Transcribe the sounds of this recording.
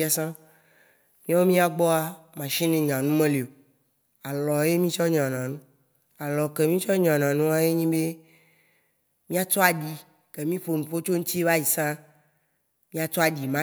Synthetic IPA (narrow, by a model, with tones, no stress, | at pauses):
a˨sã˦ | mĩ˦a˦wo˦mĩ˦a˨ɡ͡bɔ˦a˨mã˨ʃĩ˦nẽ˨ɲã˨nũ˦mẽ˦le˨o˨ | a˨lɔ˨˦e˦mĩ˦t͡ʃɔ˦ɲ˨ã˨nã˨nũ˦ | a˨lɔ˨ke˨mĩ˦t͡ʃɔ˦ɲã˨nã˨nũ˦a˦je˦ɲĩ˦be˦ | mĩ˦a˦t͡ʃɔ˦a˨ɖi˨ | ke˨mĩ˦ɸo˨nũ˨ɸo˦t͡ʃo˦ŋ̩̃˦t̪i˦e˦va˦ji˨sã˦ | mĩ˦a˦t͡ʃɔ˦a˨ɖi˨mã˦